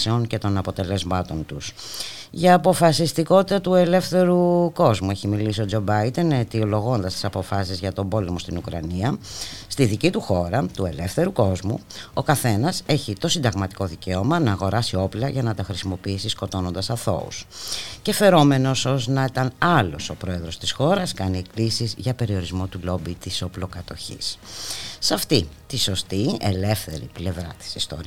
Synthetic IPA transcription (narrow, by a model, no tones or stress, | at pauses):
seo̞nce̞t̪o̞nɐpo̞t̪e̞le̞zmɐt̪o̞nt̪us | ʝɐːpo̞fɐsist̪iko̞t̪it̪ɐt̪ue̞le̞fθe̞ɾuko̞zmue̞çimilisio̞d͡zo̞bɐid̪e̞net̪io̞lo̞ɣo̞nd̪ɐst̪i̥sɐpo̞fɐsizʝɐt̪o̞bo̞lemost̪inukɾɐ̰niɐst̪iðicit̪uxo̞ɾɐt̪ue̞le̞fθe̞ɾuko̞zmṵo̞kɐθe̞nɐse̞çit̪o̞sind̪ɐɣmɐt̪i̥ko̞ðice̞o̞mɐnɐːɣo̞ɾɐsio̞plɐʝɐnɐt̪ɐxɾisimo̞piisisko̞t̪o̞no̞nd̪ɐsɐθo̞̰ṵsce̞fe̞ɾo̞me̞no̞so̞znɐet̪ɐnɐlo̞̰so̞pɾo̞e̞ðɾo̞st̪i̥sxo̞ɾɐskɐnie̞klisizʝɐpe̞ɾio̞ɾizmo̞t̪ulo̞bit̪iso̞plo̞kɐt̪o̞çḭsː | ɐft̪it̪iso̞st̪iele̞fθe̞ɾḭple̞vɾɐ̰t̪i̥sist̪o̰ɾi